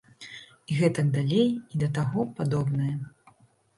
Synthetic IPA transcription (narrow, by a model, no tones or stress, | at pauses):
iɣɛt̪ɐɡd̪alʲejid̪ɐt̪aɣɔpad̪ɔbnɐjɐ